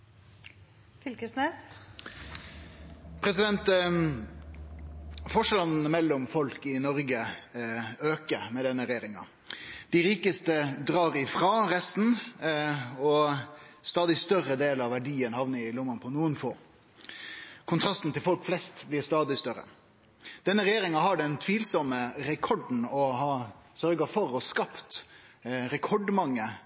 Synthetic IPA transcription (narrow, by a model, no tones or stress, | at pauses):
fʏlkəsneː | pʰɾɛsɪd̪ɛnt̪ | fɔʂlnn̩əmɛlːɔmfɔlkɪnɔɾɡə | øːkəmɛd̪ɛnːəɾɛjeːɾɪŋɑ̰ | d̪̥ɪɾiːkəst̪əd̪ɾɑːɾɪfɾɑːɾɛst̪n̩ | ɔ | st̪ɑːd̪ɪst̪œrəd̪eːlɑʋæɖiːənhɑʋnəɪlʊmɑnpʰɔnuːənfoː | kʰʊnt̪ʰɾɑst̪n̩t̪ʰɪlfɔlkflɛst̪blɪɾst̪ɑːd̪ɪst̪œɾə̰ | d̪̥ɛnːəɾɛjeːɾɪŋɑɦɑɖɛnt̪ʰʋiːlsɔməɾɛkʰɔɖn̩ɔhɑːsœɾɡəfɔɾɔskɑpt̪ | ɾɛkʰɔɖmɑŋːə